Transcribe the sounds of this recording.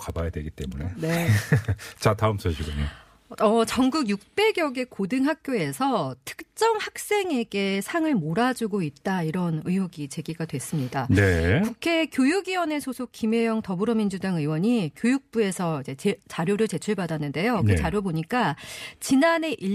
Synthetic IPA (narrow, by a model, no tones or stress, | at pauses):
kabajadwe̞ɡit͈e̞̰munḛe | t͡ɕataɯmsʰoɕʰiɡɯɲo | ʌt͡ɕʌŋɡuɡjuk̚p͈e̞ɡjʌɡe̞kodɯŋɦak̚k͈joe̞sʰʌtʰɯ̥k̚t͡ɕ͈ʌmhak̚s͈e̞ŋe̞ɡe̞sʰaŋɯɭmoɾad͡ʑuɡoit̚t͈aiɾʌnɯjoɡit͡ɕe̞ɡiɡadwe̞s͈ɯmɲidanepukʰe̞kjojuɡiwʌne̞sʰosʰok͈imjejʌŋtʌbɯɾʌmind͡ʑudaŋɯwʌɲikjojuk̚p͈ue̞sʰʌid͡ʑe̞t͡ɕt͡ɕaɾjoɾɯɭt͡ɕe̞t͡ɕʰuɭbadanːɯnde̞jokɯt͡ɕaɾjoboɲik͈at͡ɕinane̞ʔi